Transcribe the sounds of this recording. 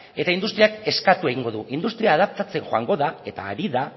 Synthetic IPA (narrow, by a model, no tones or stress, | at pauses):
e̞t̪aind̪ust̪ɾiake̞skat̪ue̞ɣiŋɡo̞ðuʔind̪ust̪ɾiaːð̞ap̚t͡s̪at͡se̞nxoaŋɡo̞ðae̞t̪a̰ːɾiða